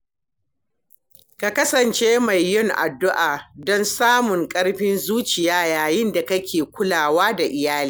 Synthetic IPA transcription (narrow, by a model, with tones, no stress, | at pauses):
ka˨kɐ˦sɐ˨nt͡ʃeː˦ma˨jːʊ˦ŋʔa̰˨dːʊ˦ʔaː˨dɔ˦nsaː˦mʊ˨ŋkʼɐ˦ɽɸɪ˦nzuː˦t͡ʃɪ˨jaː˦jaː˨jɪ˦nda˨kɐ˦kʲʰeː˨kʷʊ˦laː˨waː˦da˨ʔɪ˨jaː˦liː˦